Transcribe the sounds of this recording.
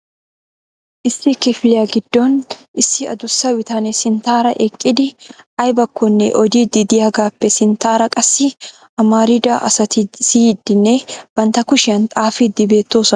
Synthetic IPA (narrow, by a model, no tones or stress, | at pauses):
ʔɪsːɪkɪflɪjaɡɪd̪ːɔnʔɪsːɪɐ̰d̪ʊsːɐwɪt̪ɐnɛsɪnt̪aːɾɐʔɛkʼːɪd̪ɪʔɐjbɐkːɔnːɛ̰ʔɔd̪id̪ɪd̪ɪjaɡaːpːɛsɪnt̪aːɾɐkʼɐsːɪ | ʔɐmaːɾɪd̪ɐʔɐsɐt̪ɪsiːd̪ːɪnːɛb̥ɐnt̪ɐkʊʃɪɐnt̪ʼaːfɪd̪ɪbe̞ːt̪ːo̞ːsɔ